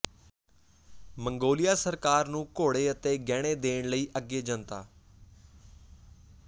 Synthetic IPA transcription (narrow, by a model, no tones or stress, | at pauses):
məŋɡoːlɪjaːsəɾkaːɾnũːkoːɽeːət̪eːɡɛːɽ̃eːd̪eːɳləiːʔəɡːeːd͡ʒənt̪aː